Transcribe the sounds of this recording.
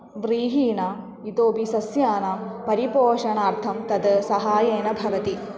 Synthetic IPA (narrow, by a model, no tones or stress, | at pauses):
ʋɾiːɦiːɳa | it̪oːbisɐsjaːnapɐɾipoːʂɐɳaːɾt̪ʰɐmt̪ɐd̪sɐɦaːjeːnɐbʱɐʋɐt̪i